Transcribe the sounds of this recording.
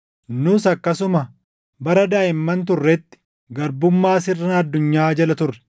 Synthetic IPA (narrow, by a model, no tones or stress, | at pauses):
nʊsɐkːɐsʊmɐ | bɐɾɐd̪aːʔɪmːɐnt̪̬ʊrːɛt̪ːɪ̥ | ɡɐɾbʊmːaːsɪrːɐɐd̪ːʊɲːaːd͡ʒɐlɐt̪ʊrːɛ̥